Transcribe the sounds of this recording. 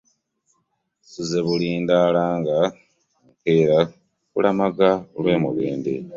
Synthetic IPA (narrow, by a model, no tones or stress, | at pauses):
sizeβuliːndaːlaːŋɡa | mukeːɾa | kulamaɡalwe̞ːmṵβeːndḭ